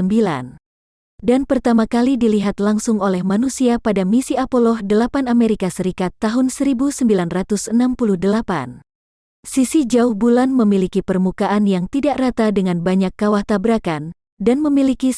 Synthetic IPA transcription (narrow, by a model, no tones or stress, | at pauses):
əmbila̰n | danpərt̪amakalidiliɦat̪laŋsʊŋolɛhmanusiapadamisiapolɔhdəlapanameɾikasəɾikat̪ːaɦʊnsəɾibusəmbilanrat̪usənampuluhdəlapa̰n | sisid͡ʒauhbulanməmilikipərmukaʔanjaŋt̪idaʔrat̪adəŋanbaɲakːawaht̪abəɾakan | danməmiliki